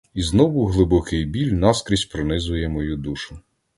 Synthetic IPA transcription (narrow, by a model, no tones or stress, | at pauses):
iznɔʋʊɦlˠɪbɔkɪjbʲilʲnɑskɾʲisʲtʲpɾɔnɪzʊjɛmɔjud̪uʃʊ